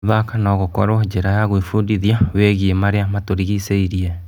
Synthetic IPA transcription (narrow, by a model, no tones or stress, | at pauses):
ðakanɔɣokɔɾɔd͡ʑeɾajaɣoifuːndiðiaweɣiemaɾeamatoɾiɣiseiɾiɛ